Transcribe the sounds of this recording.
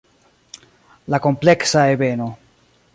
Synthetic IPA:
lako̞mpleksaebeno̞

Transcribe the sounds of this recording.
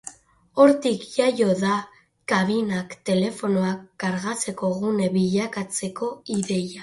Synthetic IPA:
o̞ɾt̪ikʝajo̞ða | kaβ̞inakt̪e̞le̞fo̞no̞akːaɾɣat͡se̞ko̞ɣune̞βiʎakat͡se̞ko̞iðe̞ja

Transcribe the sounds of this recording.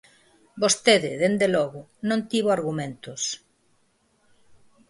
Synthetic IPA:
bost̪eðɪðend̪elɔɣʊnõnt̪iβoaɾɣumẽnt̪ʊs

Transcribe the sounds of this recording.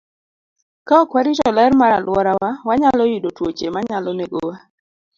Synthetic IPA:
kaɔkwaɾitɔlɛɾmaɾa̰lwɔɾawawaɲalɔjidotwot͡ʃemaɲalɔneɡowa

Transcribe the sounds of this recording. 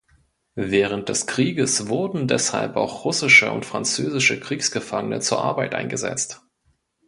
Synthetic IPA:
vɛːʁ̞ənt̚d̥ɛskʁ̥iːɡəsvʊɐdn̩dɛsha̰lpa̰ʊxʁʊsɪʃə̰ʔʊ̰ntfʁ̥a̰nt͡søːzɪʃəkʁ̥iːksɡ̥əfaŋənə̰t͡suːɐʔa̰ɐbaɪtʔa̰ɪnɡəzɛ̰t͡st

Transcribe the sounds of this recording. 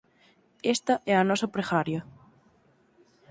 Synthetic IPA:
est̪ɐʔɛanɔsɐpɾexaɾjɐ

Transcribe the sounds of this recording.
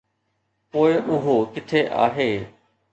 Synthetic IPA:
poːɪʔʊɦokɪt̪ʰeʔa̰ːɦeː

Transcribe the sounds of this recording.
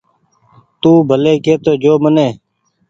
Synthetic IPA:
t̪uːbʱəleːkeːt̪oːd͡ʒoːməneː

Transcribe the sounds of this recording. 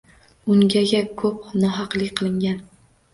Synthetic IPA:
ʊŋɡʲaɡʲakʰɵp̚nɒɦɑqlˠɪkʲqʰɨlˠɪŋɡʲan

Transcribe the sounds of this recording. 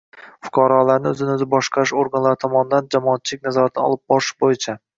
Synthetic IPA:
fʊ̥qʰɒɾɒlaɾnɪɵzɪnɪɵzɪbɒʃqʰɑɾɪʃoɾɡanlaɾɪt̪ʰɒmɒnɪd̪and͡ʒamɒːt̪̚t͡ʃʰɪlɪkʲnazɒɾat̪ʰɪnɒ̰lˠɪp̚bɒɾɪʃbojɪt͡ʃʰa

